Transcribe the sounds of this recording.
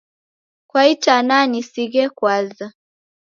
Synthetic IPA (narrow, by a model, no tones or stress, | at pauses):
kwaitananisiɣɛkwaza